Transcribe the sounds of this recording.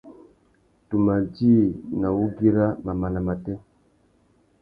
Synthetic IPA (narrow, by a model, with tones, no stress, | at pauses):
tu˨ma˨d͡ʒi˦na˨wu˦ɡi˦ɾa˦ma˨ma˨na˨ma˨tɛ˦